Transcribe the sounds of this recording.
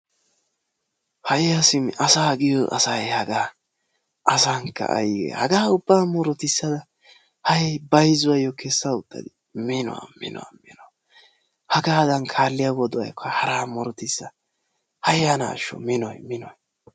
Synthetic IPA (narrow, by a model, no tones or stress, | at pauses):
hɐjjɐsɪmɐsaːɡɪjɔʔɐ̰sɐjhɐɡaː | ɐsaːŋkːɐ̰ʔɐ̰jɡɛ̰hɐɡaːʊbːaːmɔɾɔt̪ɪsːɐd̪ɐ | hɐjɛbɐjzʊwajɔkʰɛsːɐʊt̪ʼːɐ̰d̪ɪ | mɪnɔ̰wɐ̰mɪ̰nɔ̰a̰mɪnɔ | hɐɡaːd̪ɐnkʰaːlːɪjawɔd̪ɔwɐ̰jkʰɐhɐɾaːmɔɾɔt̪ɪsːɐ | hɐjjana̰ːʃːɔ̰mɪnɔjmɪnɔj